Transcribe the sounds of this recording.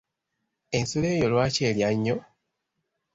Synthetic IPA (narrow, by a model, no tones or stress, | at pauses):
ensoleːjolwaːceːljaɲːo